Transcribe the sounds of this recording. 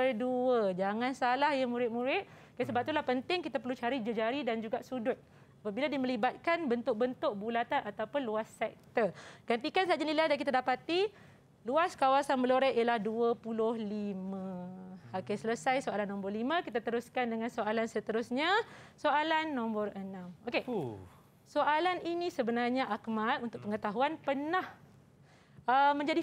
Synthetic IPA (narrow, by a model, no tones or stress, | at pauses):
bərduəd͡ʒaŋãnsalahjamũɾɪt̪̚mũɾɪt̪̚kəsəbap̚t̪ulahpənt̪ɪŋkit̪apərlut͡ʃaɾid͡ʒəd͡ʒaɾidand͡ʒuɡaʔsudʊt̪̚ | apabiladimə̃libat̪̚kanbənt̪ʊk̚bənt̪ʊk̚bulat̪anat̪awpʊnluasːɛk̚t̪əkant̪ikansad͡ʒanilajdak̬it̪adapat̪i | luaskawasanməloɾɛʔʔijəlahduəpulʊhlimãokesələsajsoalanːɔ̃mbərlimãkit̪at̪əɾuskandəŋansoʔalansət̪əɾʊsɲasoʔalanːɔ̃mbərənãmoke | soʔalaninisəbənarɲaʔakmalunt̪ʊk̚pəŋət̪aɦuanpənah | əmə̃ɲd͡ʒadi